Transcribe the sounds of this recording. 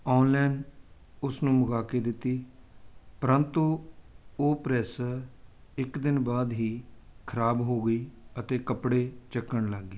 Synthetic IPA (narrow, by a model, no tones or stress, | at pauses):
ɔːnlɛːn | ʊsnũːmʊɡaːkeːd̪ɪt̪ːiː | pəɾənt̪u | oːpɾɛːs | ɪkd̪ɪnbaːd̪ɦiːkʰəɾaːbɦoːɡəiːət̪eːkəpɽeːt͡ʃəkːəɳləɡːeː